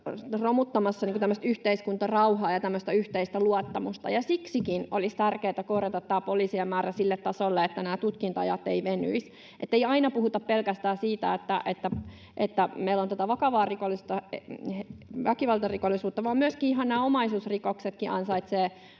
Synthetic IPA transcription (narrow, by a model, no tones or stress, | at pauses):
romut̪ːɑmɑsːɑniŋkut̪æmːəst̪yht̪eiskunt̪ɑrɑuhɑːjɑt̪æmːøst̪æyht̪eist̪æluɑt̪ːɑmust̪ɑ̰jɑsiksikinolist̪ærkeːt̪ækoːrjɑt̪ɑt̪t̪ːæːpoliːsiemmæːræsilːet̪t̪ːɑsolːeet̪ːænæːt̪ut̪kint̪ɑ̰jɑ̰t̪ːeiʋeny̰is | ʔḛt̪ːeiɑinɑpuhut̪ɑppelkæst̪æːsiːt̪æ̰et̪ːæ̰ʔet̪ːæ | ʔet̪ːæmeilːont̪ot̪ɑʋɑkɑʋɑːrikolːˑist̪ɑ | ʋækiʋɑlt̪ɑrikolːisuːt̪ːɑʋɑːmmyøskiiɦɑnnæːomɑisuːsrikokset̪kiʔɑ̰nsɑit̪seː